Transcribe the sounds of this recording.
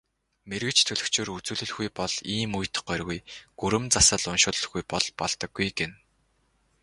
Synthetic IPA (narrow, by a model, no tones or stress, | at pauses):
merɣɘ̆t͡ɕt̪ʰɵɮɵ̆kt͡ɕʰeːrut͡suːɮɵ̆ɮxujpɔɮiːmujt̪ɢ̥œrɣujɡ̥uɾɘ̆mt͡sasə̆ɮʊnʃʊːɮə̆xɡujpɔɮ̥pɔɮt̪ə̆kːujɡen